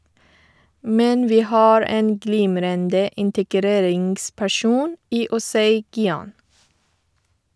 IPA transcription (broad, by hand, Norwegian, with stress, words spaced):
ˈmɛn ˈʋiː ˈhɑːɹ ˈeːn ˈɡliːmɾəndə ɪntəˈɡɾeːɾɪŋɡspæˌʃuːn ˈiː ʊˈsæɪ ɡɪˈɑːn